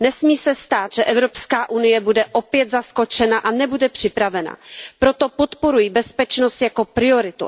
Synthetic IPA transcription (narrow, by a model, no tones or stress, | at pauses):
nɛsmiːsɛst̪aːt̪ʒ̥ɛʔɛvɾo̞pskaːʔunɪjɛbudɛʔo̞pjɛt̪zasko̞t͡ʃɛnaʔanɛbudɛpr̝̥ɪpɾavɛna̰pɾo̞t̪o̞po̞t̪po̞ɾujibɛspɛt͡ʃno̞st̪jako̞pɾɪo̞ɾɪt̪ṵ